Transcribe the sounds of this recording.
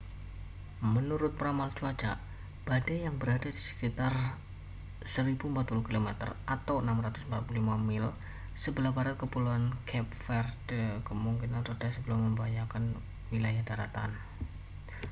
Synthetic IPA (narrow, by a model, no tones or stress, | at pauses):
mənuɾʊt̪̚pɾamalt͡ʃuad͡ʒa̰ʔ | b̥adajaŋbəɾadadisə̥kit̪ar | səɾibumpat̪̚puluhkilomɛt̪ə̰rʔat̪awənamɾat̪ʊsm̩pat̪̚pululimamɪl | səbəlahbaɾat̪̚kəpuluankʰɛp̚fɛrdəkəmuŋkinanrəd̥asəbəlʊmːəmbajakan | wilajahdaɾat̪a̰n